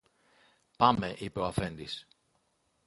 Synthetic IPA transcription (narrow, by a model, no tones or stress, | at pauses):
pɐmeʔipe̞oɐfe̞nd̪is